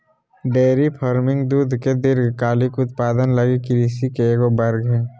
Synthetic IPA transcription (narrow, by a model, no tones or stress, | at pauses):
ɖeːɾipʰəɾmɪ̃ŋɡd̪uːd̪ʱked̪ɪɾkaːlikʊt̪paːd̪ənləɡikɪɾisikeeɡobəɾɡɦɛː